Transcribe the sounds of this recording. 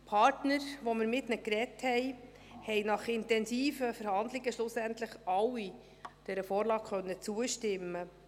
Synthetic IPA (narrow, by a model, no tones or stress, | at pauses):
pʰɑɾtnəɾʋomɪɾmɪtnəkɾɛthɛɪ | hɛɪnɑχɪntɛnsiːfəfɛɾhɑnd̪lɪɡəʃlʊsæntləχɑwi | d̥ɛɾəfoːɾlɑːkχœnːət͡suəʃtɪmːə